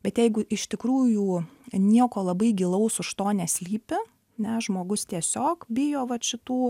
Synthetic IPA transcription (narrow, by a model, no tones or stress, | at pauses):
b̥ʲɛt̪jɛɪɡʊʔɪʃt̪ʲɪkɾuːjuːnʲiɛkoːlˠɐbɐɪɡʲilˠɐʊsʊʃt̪oːnʲɛsʲlʲiːpʲɪ | nʲɛʒmoːɡʊst̪ʲiɛsʲoːkbʲɪjoːʋɐʃʲɪt̪uː